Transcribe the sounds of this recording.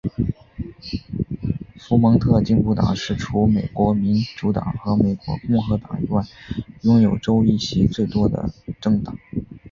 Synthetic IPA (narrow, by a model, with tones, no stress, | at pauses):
fu˧˥mɤ˧˥ŋt̪ʰɤ˥˧t͡ɕi˥˧ŋpu˥˩t̪ɑ̰˨˩ŋʂɻ̩˥˩ʈ͡ʂʰu˧˥me˨˩ɪkwɔ˧˥mi˧˥nʈ͡ʂu˧˥t̪ɑ̰˨˩˦ŋxɤ˧˥me˨˩ɪkwɔ̰˧˥kʊ˥˩ŋxɤ˧˥t̪ɑ˨˩ŋḭ˧˥wa˥˩ɪjʊ˥ŋjo˨˩ʊʈ͡ʂo˥ʊi˥˩ɕi˧˥ʈ͡ʂ̩˥˩t̪wɔ˥d̪ə̰˧ʈ͡ʂɤ˥˩ŋt̪ɑ˨˩˦ŋ